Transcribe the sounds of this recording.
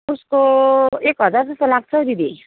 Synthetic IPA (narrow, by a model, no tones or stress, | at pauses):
uskoekɦʌd͡zard͡zʌst̪olaɡ̚t͡sʰʌd̪id̪i